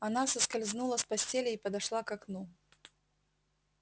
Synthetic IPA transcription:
anasɐskalʲznulˠɐspasʲt͡sʲelʲɐipɐd̪aʂlˠakaknu

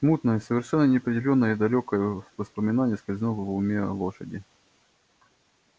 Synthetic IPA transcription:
smut̪nəjəsəvʲɪrʂɛnːənʲɪɐpɾʲɪdʲɪlʲo̞nːəjəid̪ɐlʲokəjəvəspəmʲɪnanʲɪjəskəlʲzʲɪnovəvʊmʲeɐ̰lˠoʂə̰dʲɪ

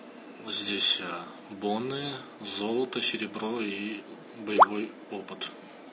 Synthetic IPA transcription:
zʲdʲesʲa | bonːɨ | zolˠət̪əsʲɪɾʲɪbroi | bəjɪvo̞j | opɨt̪

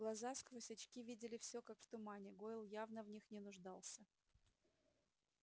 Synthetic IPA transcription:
ɡlˠɐzaskvosʲɐt͡ɕkʲivʲidʲɪlʲɪfsʲɵkakft̪ʊmanʲɪɡoɪlˠjavnəvnʲixnʲɪnʊʐd̪ɑlˠsʲə

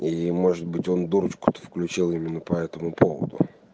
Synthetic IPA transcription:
imo̞ʐɨd̪̚bɨtʲo̞nd̪uɾət͡ɕkʊ̥t̪ə̥fklʲʉt͡ɕilˠimʲɪnːəpɐɛt̪əmʊpo̞və̰d̪ʊ̰

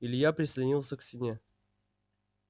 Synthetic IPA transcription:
ilʲɪjapɾʲɪsʲlʲɪnʲilˠsʲəksʲɪnʲe

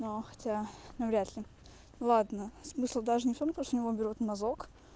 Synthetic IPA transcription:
noxɐ̥tʲanɐvɾʲat̪lʲɪ | lˠad̪nəsmɨslˠd̪aʐɨnʲɪft̪omt̪oʂt̪oʊnʲɪvo̞bʲɪɾʲot̪mɐzok

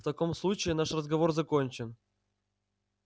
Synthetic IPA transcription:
ft̪ɐko̞mslˠut͡ɕɪɪnaʂrəzɡɐvorzɐkonʲt͡ɕɪn

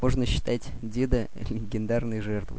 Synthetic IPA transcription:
moʐnəɕːɪ̥t̪atʲdʲed̪əlʲɪɡʲɪnd̪arnəjʐɛrt̪vɨ̰

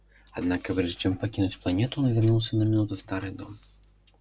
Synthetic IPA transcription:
ad̪nakɐvɾʐd͡ʒɛmpakʲinut͡sʲplˠanʲɛt̪unɐvʲɛrnuwsʲɐnɐmʲinut̪ɨst̪aɾɨd̪ɔm

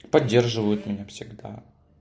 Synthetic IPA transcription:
pɐdʲːe̞rʐɨvəjʊt̪mʲɪnʲafsʲɪɡd̪a̰

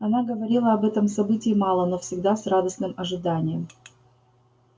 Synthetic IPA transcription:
ɐnaɡəvɐɾʲilˠəɐbɛt̪əmsɐbɨtʲɪːmɑlˠənofsʲɪɡd̪asrad̪əsnɨmɐʐɨd̪anʲɪjəm

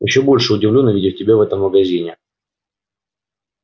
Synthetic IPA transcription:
jɪ̰ɕːobo̞lʲʂɨʊdʲɪvlʲonːəvʲidʲɪfʲtʲɪbʲavɛt̪əmːəɡɐzʲinʲɪ

